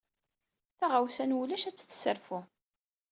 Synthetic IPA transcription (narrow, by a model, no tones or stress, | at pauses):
θaʁawsænulæʃæt͡sːθsəɾfu